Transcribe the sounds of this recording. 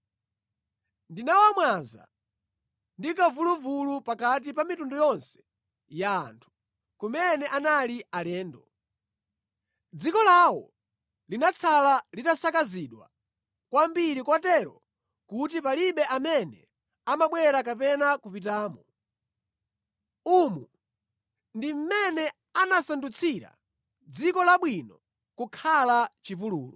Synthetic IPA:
ndinawamwanza̰ | ndikavuluvulupakat̬ipamitundujɔnsɛ̥ | ja̰ːntʰu̥ | kumɛnɛʔanalialɛːndɔ | d͡zikɔlawɔ̰ | linat͡sʰalalitasakaziɗwa̰ | kwambiɾikwatɛɾɔ̰ | kut̬ipaliɓɛʔamɛnɛ̰ | amaɓwɛɾakapɛnakupitaːmɔ | umu | ndim̩mɛnɛ | anasandut͡sʰiɾa̰ | d͡zikɔlaɓwinɔ | kukʰalat͡ʃipuluːlɔ

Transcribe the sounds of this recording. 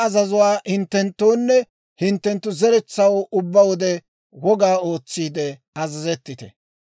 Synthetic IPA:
ɐzɐzʊwaːhɪnt̪ːɛnt̪ːoːnːɛ | hɪnt̪ːɛnt̪ːʊzɛɾɛt͡sːɐwʊbːɐwɔd̪ɛ | wɔɡaːo̞ːt͡sːiːd̪ɛ | ɐzɐzɛt̪ːɪt̪ɛ̰

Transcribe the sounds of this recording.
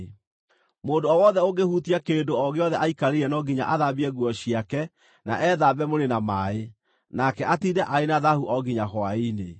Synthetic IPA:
moːdoɔwɔðɛoɣehutiakeːndoɔɣeɔðɛʔaikaɾeɾɛnɔɡiɲa̰ʔaðabiɛɣwɔɕiakɛ | na̰ʔɛðabɛmoɾenamaːe | nakɛʔatidɛʔaenaðahuʔɔɡiɲahɔaine

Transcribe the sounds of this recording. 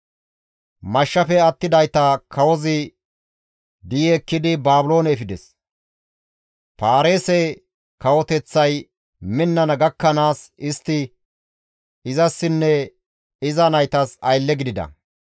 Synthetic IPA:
mɐʃːɐfɛɐt̪ːɪd̪ɐjt̪ɐkʰɐwɔzɪ | d̪ɪjɛːkːɪd̪ɪbaːbʊlo̞ːnɛːfɪd̪ɛs | paːɾe̞ːsɛ | kɐwɔt̪ɛt͡sːɐj | mɪnːɐnɐɡɐkːɐnaːsɪst̪ːɪ | ɪzɐsːɪnːɛ | ɪzɐnɐjt̪ɐsɐjlːɛɡɪd̪ɪd̪ɐ̰

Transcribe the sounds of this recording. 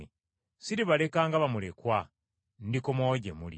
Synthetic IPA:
siɾiβale̞kaːŋɡaβamule̞kwa | ndikomoɟe̞mulḭ

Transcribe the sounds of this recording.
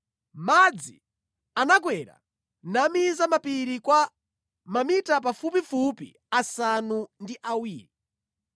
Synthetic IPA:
mad͡zḭ | anak̬wɛɾa̰ | namizamapiɾikwa | mamitapafupifupḭ | asanundiʔawiːɾi

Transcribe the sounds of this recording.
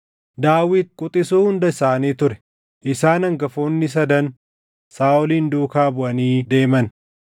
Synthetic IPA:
d̪aːwɪd̪̚kʼʊt̪ʼɪsuːhʊnd̪ɐɪsaːniːt̪ʊɾɛ̥ | ʔɪsaːnɐŋɡɐfoːnːɪs̬ɐd̪ɐn | saːʔʊliːnd̪uːkaːbʊʔɐniːd̪e̞ːmɐn

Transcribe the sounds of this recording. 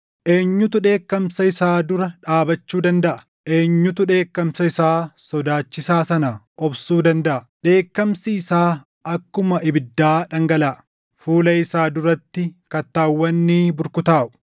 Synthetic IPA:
ʔe̞ːɲːʊt̪ʊᶑe̞ːkːɐmsɐɪsaːd̪ʊɾɐᶑaːbɐt͡ʃːuːd̪ɐnd̪ɐʔɐ̥ | ʔe̞ːɲːʊt̪ʊᶑe̞ːkːɐmsɐɪsaːsɔd̪aːt͡ʃːɪsaːsɐnɐ | ɔbsuːd̪ɐnd̪ɐʔɐ | ᶑe̞ːkːɐmsiɪsaː | ɐkːʊmɐʔɪbɪd̪ːaːᶑɐŋɡɐlaːʔ | fuːlɐɪsaːd̪ʊɾɐt̪ːɪkɐt̪ːaːwːɐnːiːbʊɾkʊt̪aːʔʊ̥

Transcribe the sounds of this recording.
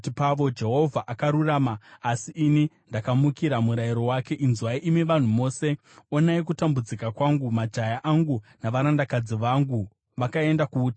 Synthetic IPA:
tipaʋo̞d͡ʒe̞ɦo̞vʱaʔakaɾuraːmaːsiʔini | ndakamukiɾamuɾaiɾo̞wake̞ʔinzwaiʔimiʋan̤umo̞ːse̞ | o̞naikutambud͡zikakwaŋɡumad͡ʒajaʔaŋɡunaʋaɾandakad͡ziʋaŋɡu | ʋakae̞ndakuːta

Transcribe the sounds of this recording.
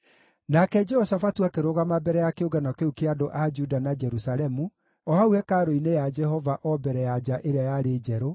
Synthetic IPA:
nakɛd͡ʒɛɔsafatuakeɾoɣamabɛɾɛjakeoɡanakeukeadoʔad͡ʒudanad͡ʒɛɾusaɾɛmu | ɔhauɛkaɾoinejad͡ʒɛhɔvaʔɔbɛɾɛjad͡ʒaʔeɾeajaɾed͡ʒɛɾo

